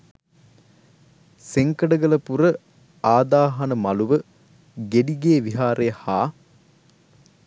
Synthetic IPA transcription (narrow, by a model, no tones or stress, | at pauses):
seŋkəɖəɡələpuɾə | aːd̪aːɦɐnəmɐluʋə | ɡeɖiɡeːʋiɦaːɾejəhaː